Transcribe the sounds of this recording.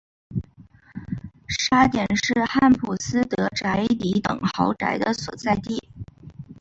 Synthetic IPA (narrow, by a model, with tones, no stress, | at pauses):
ʂa˥t̪jɛ˨˩nʂɻ̩˥˧xa˥˩npʰu˨˩sɹ̩˥t̪ɤ˧˥ʈ͡ʂa˧˥ɪli˧˥t̪ɤ̰˨˩ŋxɑ˧˥ʊʈ͡ʂa̰˧˥ɪd̪ə˧swɔ̰˨˩t͡sa˥˧ɪt̪i˥˩